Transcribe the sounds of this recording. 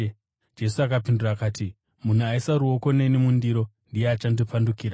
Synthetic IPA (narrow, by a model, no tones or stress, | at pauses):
d͡ʒe̞suakapinduraːkaːti | mun̤uaisaɾuoko̞nenemundiɾo̞ | ndijeat͡ʃandipandukiːɾa